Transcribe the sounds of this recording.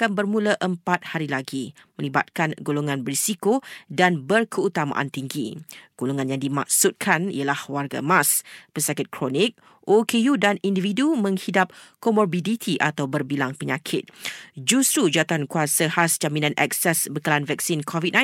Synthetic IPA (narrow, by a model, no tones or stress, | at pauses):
akanbərmũləʔəmpat̪̚haɾilaɡimə̃liba̰t̪̚kanɡoloŋanbəɾisikodanbərkʰəut̪ama̰ʔa̰nt̪iŋɡḭɡ̥oloŋãnjaŋdima̰k̚sut̪̚kʰanḭəlahwarɡa̰mãspəsakɪt̪̚kʰɾonik̚ | okʰejudanindividumə̃ŋhidap̚komɔrbidit̪ʰiʔa̰t̪awbərbilaŋpəɲãkʰɪt̪̚d͡ʒust̪ɾud͡ʒat̪ankuasahasd͡ʒaminãnʔɛ̰k̚sɛsbəkəlanvɛk̚sinkʰɔvit̪̚nã